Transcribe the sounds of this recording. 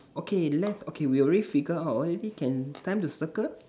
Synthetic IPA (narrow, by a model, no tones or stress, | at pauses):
okʰelɛtsokʰewiɔɹedifiɡəatɔɹedikɛ̃ntãɪ̃mtusəkə